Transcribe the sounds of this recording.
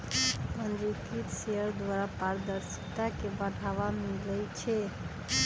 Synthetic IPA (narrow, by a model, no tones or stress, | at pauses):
pənd̪ɾit̪it̪seɦəɾd̪waɾapaɾd̪əɾsi̥t̪akebəɽ̤ʱaʋamilɛt͡ʃʰɛ